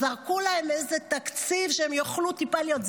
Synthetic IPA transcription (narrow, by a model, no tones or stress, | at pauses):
aʁkulaemezet̪akt͡sivʃeemjoχlut̪ipalijotz